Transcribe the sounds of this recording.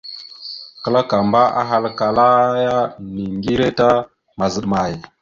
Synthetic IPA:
kə˦la˦ka˨mba˦a̰˦ɦa˦lka˨la˦ja˦ni˨ŋɡi˦ɾe˦ta˦ | ma˨zə˨ɗma˨j

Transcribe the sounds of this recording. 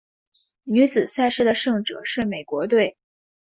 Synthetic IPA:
ny˧˥t͡sɹ̩˨˩sa˥˧ɪʂɻ̩˥d̪ə˨ʂɤ˥˩ŋʈ͡ʂɤ̰˨˩ʂɻ̩˥˩me˨˩ɪkwɔ˧˥t̪we˥˩ɪ

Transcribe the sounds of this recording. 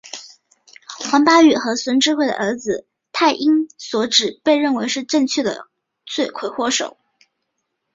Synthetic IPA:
xwɑ˧˥ŋpa˥y˨˩xɤ˧˥swə˧˥nʈ͡ʂɻ̩˥xwe˥˩ɪd̪ə̰ʔə˞˧˥d͡zɹ̩˧ | t̪ʰa˥˩ɪʔi˥ŋswɔ˧˥ʈ͡ʂɻ̩˨˩pe˥˧ɪɻə˥˩nwe˧˥ɪʂɻ̩˥˧ʈ͡ʂə˥˧ŋt͡ɕʰɥɛ˥˩d̪ə̰˩ | t͡swe˥˩ɪkʰwe˥ɪxwɔ˥ʂo˨˩˦ʊ

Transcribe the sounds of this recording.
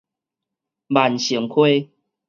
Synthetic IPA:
ba˨˩nɕi˨˦ŋkʰwe˦

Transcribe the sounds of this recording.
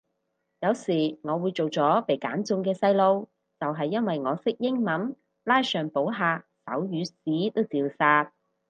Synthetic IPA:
jɐ˨˧wsiː˨˩ŋɔː˨˧wuː˨˧jt͡so˨wt͡sɔː˨˥pe˨˩jka̰ː˨˥nt͡sʊ˧ŋkɛː˧sɐ˧jlo˧w | t͡sɐ˨wɦɐ˨jːɐ˥nwɐ˨jŋɔː˨˧sɪ˥k̚jɪ˥ŋmɐ˨˥n | laː˥jsœː˨ŋpo˨˥wɦaː˧sɐ̰˨˥wjyː˨˧siː˨˥t̪o˥wt͡siː˨˧wsaː˧t̚

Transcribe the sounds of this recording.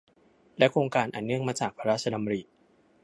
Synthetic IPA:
lɛ˦˥kʰɾoː˧ŋkaː˧nʔaː˨˩nːɯ˥˩əŋmaː˧t͡ɕaː˨˩k̚pʰa˧ɾa˦˥˩t͡ɕʰa˧a˧m˧ɾiː˨˩

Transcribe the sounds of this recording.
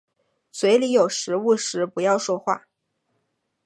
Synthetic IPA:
swe˧˥ɪli˧˥jo˨˩ʊʂɻ̩˧˥u˥˩ʂɻ̩˧˥pu˧˥jɑ˥˧ʊʂwɔ˥˧xwa˥˩

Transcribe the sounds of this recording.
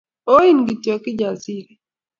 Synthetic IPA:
o˦i˦nɡi˨tjɔ˨kɪ˦d͡ʒa˨zi˦ɾɛ˨

